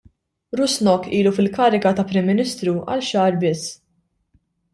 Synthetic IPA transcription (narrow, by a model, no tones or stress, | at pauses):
ɾʊsnɔkːiːlufɪlkɐːɾɪkɐt̪ɐpɾɪmːɪnɪst̪ɾuʔɐ̰lʃɐːɾbɪsː